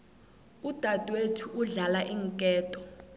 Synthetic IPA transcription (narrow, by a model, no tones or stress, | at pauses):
ud̥ʱad̥ʼwetʰuʔuɮalaʔiːŋkʼɛːtʼɔ